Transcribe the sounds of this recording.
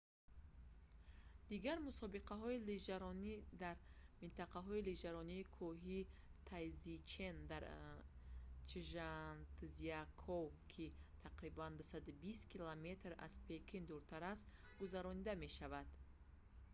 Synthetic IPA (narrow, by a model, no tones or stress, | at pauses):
d̪̥iɡaɾmusɔbiqaɦɔilid͡ʒaɾɔnid̪aɾmint̪ʰaqaɦɔilid͡ʒaɾɔniːkʰɔɦit̪ʰajzit͡ʃʰe̞nd̪aɾ | t͡ʃiʒant̪ziakʰɔwkʰit̪ʰaqɾiband̪usad̪ubist̪kʰilame̞t̪ɾa̰z̥pʰe̞kʰind̪uɾt̪ʰaɾast̪ | ɡuzaɾɔnid̪ame̞ʃavad̪̥